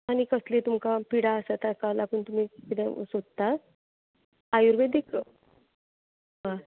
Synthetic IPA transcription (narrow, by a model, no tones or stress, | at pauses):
aɽ̃ikəslet̪umkapiɽaəsat̪akalakuːnt̪um̤iːkit̪ɛ̃sod̪t̪a | ajuɾbed̪ekʰə | ʋa